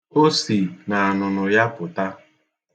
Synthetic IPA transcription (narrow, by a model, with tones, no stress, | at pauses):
o˦si˨na˨a˨nʊ˨nʊ˨ja˦pʊ˨ta˦